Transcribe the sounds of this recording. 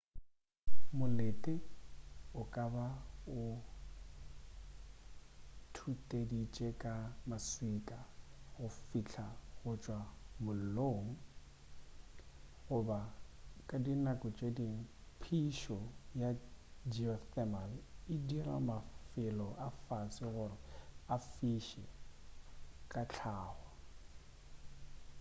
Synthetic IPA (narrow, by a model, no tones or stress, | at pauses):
mʊletʼɪ | ʊkʼabaʊ | tʰutʼedit͡ʃʼekʼamasikʼaɣʊfit͡ɬʰaɣʊt͡ʃʼwamʊl̩loːŋ̩ | ɣʊbakʼadinakʼʊt͡ʃʼedi | pʰiʃɔjad͡ʒiɔθɛmalɪdira̰mafɪlɔʔafasɪɣʊrɪafiʃɛ̰ | kʼat͡ɬʰaːɣwa